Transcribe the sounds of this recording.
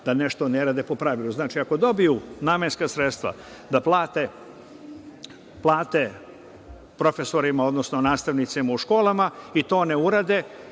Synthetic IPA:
d̪̥aneʃt̪o̞neɾaːd̪epo̞pɾaʋilˠuznaːt͡ʃiako̞d̪o̞bijunaːmenskasɾet̪st̪ʋa̰ | d̪aplˠaːt̪e | plˠaːt̪e | pɾo̞fe̞so̞ɾimao̞d̪nosnonaːst̪aʋnit̪simauʃko̞ːlˠamait̪o̞ːneuɾad̪e

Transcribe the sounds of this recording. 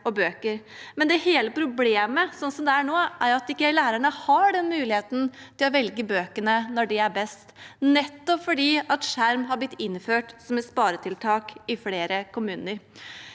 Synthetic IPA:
ɔbøːkəɾ | mɛnd̪ɛheːləpʰɾʊbleːməsɔnːsɔmd̪ɛæɳoːʔæɾɑt̪ɪkːəlæːɾəɳəhɑɖɛnmʉːlɪheːt̪n̩t̪ʰɪlɔʋɛlɡəbøːkəɳənɔɖɛæɾbɛst̪nɛt̪ːɔpfɔɖiːɑt̪ʂæɾmɦɑɾb̪ɪt̪ːɪnːføːʈsɔmɛt̪spɑːɾət̪ʰɪlt̪ʰɑːkɪfleːɾəkʊmʉːnəɾ

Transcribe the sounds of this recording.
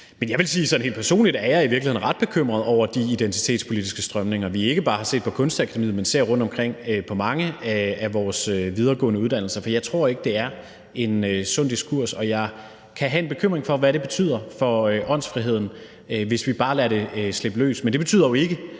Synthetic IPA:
menjɑ̈ʋe̝lsiːsɒ̽n̩e̝̰l̥pʰæɐso̝̰ːnlid̥æɐjɑ̈iʋiɐɡlihe̝n̩ʁɑ̈d̥̚b̥e̝kʰøm̰ʁɐðˠɒʊ̰ɐd̥iːd̥ent͡sʰi̥t͡sʰḛːd̥spʰo̝lid̥isɡ̥əsd̥ʁɶmne̝ŋɐʋie̝ɡ̥əb̥ɑ̈ːhɑ̈se̝̰ːd̥pʰɒ̽kʰɔ̽nsd̥ækʰædemḭːmense̝ɐ̰ʁɔ̽n̰d̥ɒ̽mkʰʁeŋ̰øpʰɒ̽mɑ̈ŋəææʋɒːsøʋið̞ˠɐɡ̥ɔ̰̽ːnəuð̞ˠd̥æn̰l̩sɐfɒjɑ̈ɪt͡sʰʁo̝ɐ̰e̝ɡ̥əd̥e̝æɐ | e̝nøsɔ̽n̰d̥isɡ̥ʰuɐ̰sɒ̽jɑ̈ɪ | kʰæɦæe̝nb̥e̝kʰøm̰ʁeŋfɒ̽ʋæɾe̝b̥e̝t͡sʰy̰ð̰ˠɐfɒ̽øʔɒ̽n̰sfʁiɦe̝ð̞̰ˠn̩ | øʋe̝sʋib̥ɑ̈ːlæɐɾe̝sle̝b̥lø̰ːsmend̥eb̥e̝t͡sʰy̰ðˠɐjoe̝ɡ̥ə

